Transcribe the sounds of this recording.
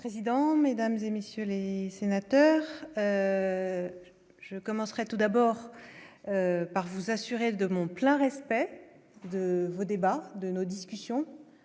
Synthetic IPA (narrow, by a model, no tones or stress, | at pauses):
pχezid̪ɑ̃med̪amzemesjølesenat̪œːʁø | ʒəkɔmɑ̃sχɛt̪ud̪abɔʁ | øpaʁvuzasyʁed̪əmɔ̃plɛ̃ʁɛspɛ | d̪əvod̪ebad̪ənod̪iskʲysjɔ̃